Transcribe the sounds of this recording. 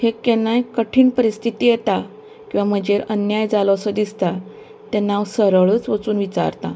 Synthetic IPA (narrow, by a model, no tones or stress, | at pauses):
hekɛnːajkəʈʰiːɳpəɾist̪ʰit̪iːjet̪a | kĩw̃ʋam̤əd͡ʑeɾənjajd͡zalosəd̪ist̪a | t̪ɛnːaʋsəɾəɭət͡sʋət͡suːnʋit͡ɕa̰ɾt̪a̰